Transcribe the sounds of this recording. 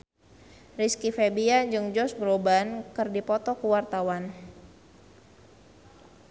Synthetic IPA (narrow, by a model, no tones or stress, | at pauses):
riskifebiaɲd͡ʒɨŋd͡ʒɔsbɾobankɨrdipɔt̪ɔkuwart̪awan